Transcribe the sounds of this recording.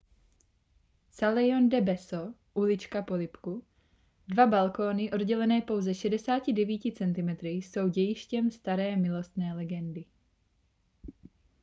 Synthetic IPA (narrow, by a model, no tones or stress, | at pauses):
salɛjo̞ndɛbɛso | ʔulɪt͡ʃkapo̞lɪpku | dvabalko̞ːnɪʔo̞dɟɛlɛnɛːpo̞wzɛʃɛdɛsaːcɪdɛviːcɪt͡sɛnt̪ɪmɛt̪ɾɪso̞wɟɛjɪʃcɛmst̪aɾɛːmɪlo̞st̪nɛːlɛɡɛndɪ